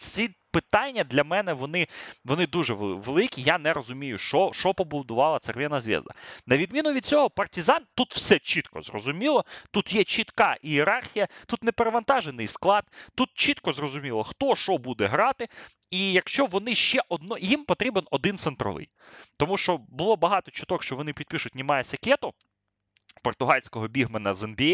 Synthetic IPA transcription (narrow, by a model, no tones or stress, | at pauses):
sʲipɪt̪ɑnʲːɐd̪lʲɐmɛnɛʋɔnɪʋɔnɪd̪uʒɛʋelˠɪkʲijanɛɾɔzʊmʲijʊʃɔʃɔpɔbʊd̪ʊʋɑlˠɐt̪serʋʲɛnɐzʲʋʲḭzd̪ɐ̰nɐʋʲid̪mʲinʊʋʲid̪̚t͡sʲsʲɔɦɔpɐrtʲɪzɑnt̪ut̪w̥sɛt͡ʃit̪kɔ̰zrɔ̰zʊmʲilˠɔt̪ut̪jɛt͡ʃit̪kɑʔieɾɑrxʲijɐt̪ut̪nepeɾeʋɐnt̪ɑʒenɪjsklˠɑt̪̚t̪ut̪̚t͡ʃit̪kɔzrɔzʊmʲilˠɔxt̪ɔʃɔbud̪ɛɦɾɑt̪ɪ | ijɐkʃt͡ʃɔʋɔnɪʃt͡ʃɛʔɔd̪nɔjimpɔt̪ɾʲibenɔd̪ɪnsent̪ɾɔ̰ʋɪ̰j | t̪ɔmuʃt͡ʃɔbʊlˠɔbɐɦɑt̪ɔt͡ʃʊd̪ɔkʃt͡ʃɔʋɔnɪpʲid̪̥̚pʲiʃʊtʲnʲimɑjɛsʲɐkʲɛt̪ʊ | pɔrt̪ʊɦɑlʲsʲkɔɦɔbʲiɦmenɐzɐnbʲi